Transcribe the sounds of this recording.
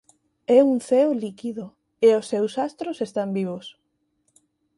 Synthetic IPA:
ɛuŋθɛolikiðo | eosːewsast̪ɾosest̪ambiβ̞os

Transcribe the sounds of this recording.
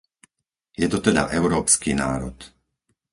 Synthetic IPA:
jɛt̪ɔt̪ɛd̪a̰ʔɛʊɾɔːpskiːnaːɾɔt̪

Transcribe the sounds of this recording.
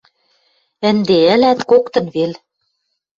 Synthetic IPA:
ɘ̆nd̪eɘ̆læt̪kokt̪ɤ̆nβel

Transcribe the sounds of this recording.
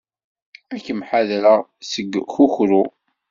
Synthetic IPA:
ækːəmħaðɾəʁsəɡːxuçɾu

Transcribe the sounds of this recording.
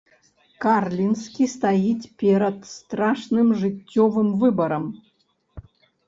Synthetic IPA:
karlʲinskʲist̪ajitʲpʲeɾʲət̪st̪ɾaʂnɨmʐɨtʲːɔvɨmvɨbəɾəm

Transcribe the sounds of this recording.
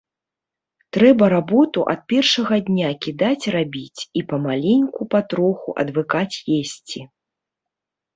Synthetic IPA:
t̪ɾɛbɐɾabɔt̪uʔɐt̪̚pʲɛrʂɐɣɐd̪ʲnʲakʲid̪at͡sʲrabʲit͡sʲipɐmalʲenʲkupat̪ɾɔxuʔɐ̰d̪vɨkat͡sʲjesʲt͡sʲi

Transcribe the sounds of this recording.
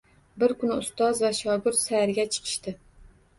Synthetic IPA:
bɪɾkʲynɪust̪ɑzvɛʃɑːɡʊɾt̪sæhɾɪɡʲɛt͡ʃʰə̥qʰə̥ʃt̪ɨ

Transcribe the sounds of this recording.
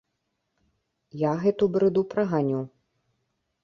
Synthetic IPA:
jaɣɛt̪ubɾɨd̪upɾɐɣanʲuw

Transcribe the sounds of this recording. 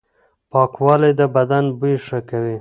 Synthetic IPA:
pɑkwɑlajd̪əbad̪anbujʂəkawi

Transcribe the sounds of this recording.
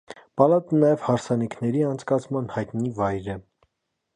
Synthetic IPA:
pɑlɑt̪ənɑjɛv̥hɑɾsɑnikʰnɛɾiɑnt͡sʰkɑt͡sʰmɑnhɑjt̪nivɑjɾɛ

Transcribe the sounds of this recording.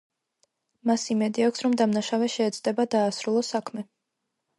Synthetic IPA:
masimɛd̪iakʰʷsɾɔmd̪amnaʃavɛʃɛːd̪zʼd̪ɛbad̪aːsɾulˠɔsakʰmɛ

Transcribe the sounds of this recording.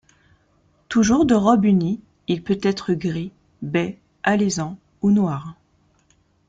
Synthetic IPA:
t̪uʒuʁd̪əʁɔbyni | ilpøt̪ɛt̪χəɡʁi | bɛ | alezɑ̃ | unwaʁ

